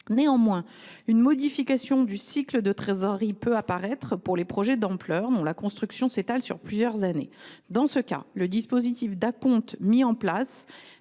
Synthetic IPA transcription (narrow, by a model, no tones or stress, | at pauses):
neɑ̃mwɛ̃ | ynmɔd̪ifikasjɔ̃d̪ysikləd̪ət̪χezɔʁipøapaʁɛt̪χəpuʁlepχɔʒɛd̪ɑ̃plœʁd̪ɔ̃lakɔ̃st̪χyksjɔ̃set̪alsy̰ʁplyzjœʁzanḛd̪ɑ̃səka̰ləd̪ispozit̪ifd̪akɔ̃t̪miɑ̃plas